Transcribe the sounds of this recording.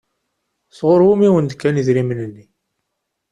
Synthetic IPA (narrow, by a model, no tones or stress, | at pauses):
θʁʊɾˤwumiwənd̪kːæniðɾimənənːi